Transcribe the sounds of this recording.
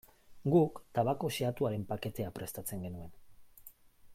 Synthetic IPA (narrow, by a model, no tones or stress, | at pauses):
ɡukt̪aβako̞seat̪uaɾe̞mpake̞t̪e̞apɾe̞st̪at͡se̞ŋɡe̞nue̞n